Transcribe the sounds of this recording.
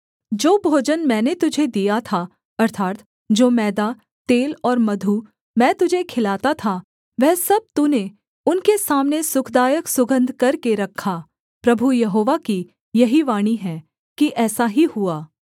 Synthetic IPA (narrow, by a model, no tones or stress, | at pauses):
d͡ʒoːbʱoːd͡ʒənmɛ̃ːnet̪ʊd͡ʒʱed̪ijat̪ʰa | ɐɾt̪ʰaːɾt̪ | d͡ʒoːmɛːd̪a | t̪eːlɔːɾmɐd̪ʱu | mɛ̃ːt̪ʊd͡ʒʱekʰɪlaːt̪at̪ʰa | ʋɛɦːsɐb̚t̪une | ʊnkesaːmnesʊkʰd̪aːjəksʊɡə̃nd̪ʱkɐɾkeɾɐkʰːa | pɾɐbʱujɐɦoːʋaki | jɐɦiʋaːɽ̃iɦɛ̃ː | kiʔɛːsaɦihʊaː